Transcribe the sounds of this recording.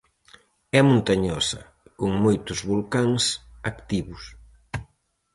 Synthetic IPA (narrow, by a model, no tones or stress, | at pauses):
ɛmũnt̪ɐɲɔsɐ̰ | kuŋmojt̪uzβulkaŋsakt̪iβus